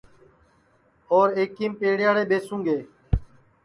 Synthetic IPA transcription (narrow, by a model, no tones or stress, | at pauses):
oːɾeːkĩːmpeːɽɪjaːɽeːɓeːsũːɡeː